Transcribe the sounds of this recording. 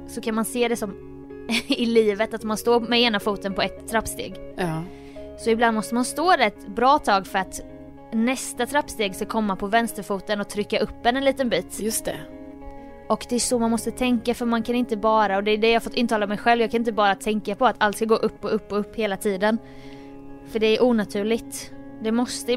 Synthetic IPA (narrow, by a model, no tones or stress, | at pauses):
sɔkʰanmanseːd̪ɛsɔm | ɪliːvət̪at̪manst̪oːɾmɛeːnafuːt̪ənpʰɔɛt̪ʰːɾapːst̪ḛːɡ | sɔɪbland̪mɔst̪əmanst̪oːd̪ɛɾɛt̪bɾɑːt̪ʰɑːɡfœɾat̪ | nɛst̪at̪ʰɾapːst̪eːɡskakʰɔmːapʰɔvɛnst̪əɾfuːt̪ənɔt̪ʰɾʏkːaʔɵp̪ːɛnɛnliːt̪ənbiːt̪jɵst̪ɛ̰ | ʔɔkd̪ɛæʂɔmanmɔst̪ət̪ʰɛŋkafœɾmankʰanɪnt̪əbɑːɾaɔd̪ɛd̪ɛjɑːhaɾfɔt̪ːɪnt̪ʰɑːlamɛjɧɛlvjɑɡkʰanɪnt̪əbɑːɾat̪ʰɛŋkapʰɔat̪alt̪skaɡoːʔɵpːɔɵpːɔɵpːheːlat̪ʰiːd̪ən | fœɖɛæɾʔuːnat̪ʰʉ̟ːɭɪt̪ | d̪ɛmɔst̪ə